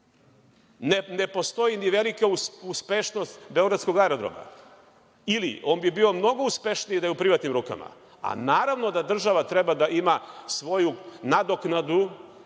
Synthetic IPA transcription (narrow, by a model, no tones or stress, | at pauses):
nnepo̞st̪o̞jiniʋe̞likauuspe̞ʃno̞st̪beo̞ɡɾat̪skoɡaɾo̞d̪ɾo̰ma̰ | ilḭo̞ːnbibio̞mno̞ɡo̞uspe̞ʃnijid̪ajeupɾiʋat̪nimɾuːka̰ma̰ | a̰naːɾaʋno̞d̪ad̪r̩ʒaʋat̪ɾe̞bad̪aʔimasʋo̞junad̪o̞knad̪u